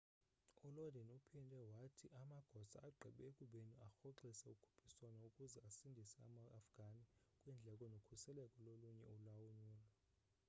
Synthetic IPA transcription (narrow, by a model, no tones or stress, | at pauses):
ulɔdʱɛnupʰindʱɛwatʰiʔamaɡ̥ʱɔsa̰aɡ͡ǃʱiɓɛekʼuɓeniaxoǃisɛukʰu̥pʰiswanaukʼuzɛasindʱisɛa̰maːfɡ̥ʱanikʼwɛnd͡ɮʱɛkʼɔnokʰusɛlɛkʼɔloluɲɛ̰ulawuɲuːla